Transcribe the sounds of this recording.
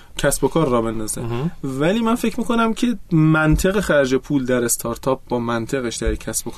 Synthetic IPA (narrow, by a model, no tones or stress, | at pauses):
cʰæsbo̞kʰɒːɾːɒːbelnd̪ɒzevæliːmænfe̞cʰmiːkʰo̞næmcʲʰe̞mænt̪ʰe̞ɣe̞xæɾd͡ʒepʰuːld̪æɾe̞st̪ʰɒːɾt̪ʰɒːp̚bɒːmænt̪ʰe̞ɣeʃd̪æɾcʲʰæsb̥okʰ